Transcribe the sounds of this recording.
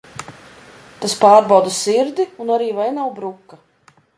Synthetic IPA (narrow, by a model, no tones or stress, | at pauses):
t̪aspaːɾbawd̪asiɾd̪iunaɾiːvajnawbɾukːa